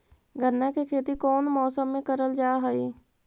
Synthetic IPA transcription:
ɡʱənːakekʰeːt̪ikɔːnmɔːsəmːẽkəɾəld͡ʒaːɦəiː

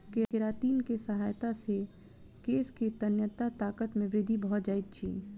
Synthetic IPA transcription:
kekɪɾaːt̪iːnkesəɦaːjt̪ase | keːsket̪ənjət̪at̪aːkət̪mẽʋɾɪd̪ʱːibɐɦɔt̪̚d͡ʒaːɪt̪̚t͡ʃʰḭː

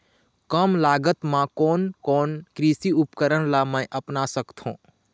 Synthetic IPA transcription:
kəmlaːɡət̪mãkɔːnkɔːnkɾiːsiʊpkəɾəɽ̃lamə̃jʔəpnasəkt̪ʰɦũː

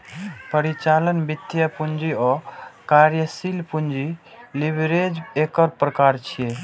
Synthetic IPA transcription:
pəɾit͡ʃalənbid̪jəpund͡ʒiɔkaɾjəsilpund͡ʒi | libɾed͡ʒekəɾpɾəkaɾt͡ʃʰije

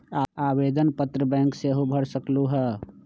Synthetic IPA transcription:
aaːʋeːd̪ənpət̪ɾəbɛ̃ːŋkseɦobʱəɽsəkluɦɛː

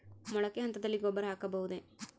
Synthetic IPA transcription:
mɔɭɐkːeɦɐnt̪ɐd̪ɐlːiɡɔbːɐɾɐɦaːkɐbɐɦud̪e̞

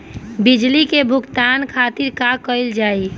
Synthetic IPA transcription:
bid͡ʒlikebʱʊkt̪ankʰat̪iɾkakəɪld͡ʒaːi

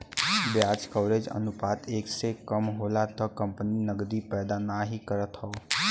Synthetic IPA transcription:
bjat͡ʃkɔːɾed͡ʒə̰nupaːt̪eːksekəmɦolat̪əkə̃mpəninəɡd̪ipɛːd̪anaɦikəɾət̪ɦɔː

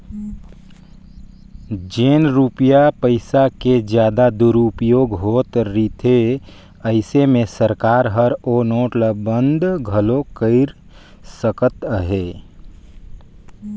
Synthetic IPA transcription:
d͡ʒeːnɾupjapəɪsaked͡ʒjaːd̪ad̪uɾʊpjoːɡɦoːt̪ɾit̪ʰe | əɪsemẽsəɾkaːɾɦəɾoːnoːʈləbə̃nd̪ɡʱəlokəɪɾ | səkət̪ɦeː

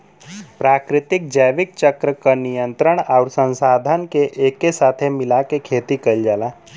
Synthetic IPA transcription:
pɾaːkɾɪt̪ɪk̚d͡ʒəjʋɪk̚t͡ʃəkɾəkanijə̃nt̪ɾəɽ̃aʊɾsə̃nsaːd̪ʱənkeʔeːkːesaːt̪ʰemɪlakekʰeːt̪ikəld͡ʒaːlaː

